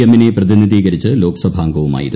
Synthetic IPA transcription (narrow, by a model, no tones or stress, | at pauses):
emine̞prɐðinid̪iːɣɐɾit͡ɕːɨlo̞ːkɐ̥sɐbʱaːŋɡɐʋuma̰ːjḭɾu